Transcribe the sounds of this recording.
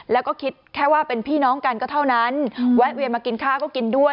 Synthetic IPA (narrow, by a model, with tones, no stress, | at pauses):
lɛː˦˥wkɔː˥˩kʰi˦˥t̪̚kʰɛː˥˩waː˥˩pe˧npʰiː˥˩nɔː˦˥ŋka˧nkɔː˥˩t̪ʰa˥˩wna˦˥nwa˦˥ʔwi˧əmaː˧ki˧nkʰaː˥˩kɔː˥˩ki˧ndu˥˩ə